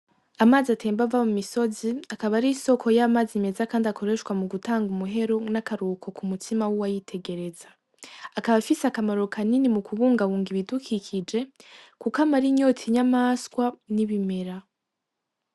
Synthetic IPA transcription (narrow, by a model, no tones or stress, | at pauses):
amaːziatʰe̞ːmbavamumiso̞ziakaβaɾiso̞kʰo̞jamaːzime̞zakaːndiako̞ɾe̞ʃwamuɡutaːŋɡumuɦe̞ɾonakaɾukʰo̞kumutʰimawuwajitʰe̞ɡe̞ɾe̞za | akaβafisakamaɾokʰaninimukuβuːŋɡaβuːŋɡiβidukʰikʰid͡ʒe̞kukamaɾiɲo̞tʰiɲamaskwaniβime̞ɾa